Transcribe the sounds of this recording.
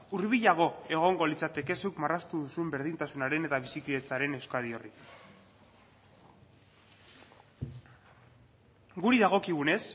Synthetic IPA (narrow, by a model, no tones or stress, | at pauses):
uɾβiʎaɣ̞o̞e̞ɣ̞o̞ŋɡo̞lit͡sat̪e̞ke̞sukmarast̪uðusuembe̞ɾð̞int̪asunaɾe̞ne̞t̪aβ̞isikle̞t͡saɾe̞newskaðio̞ri | ɡuɾiðaɣ̞o̞kiɣ̞une̞s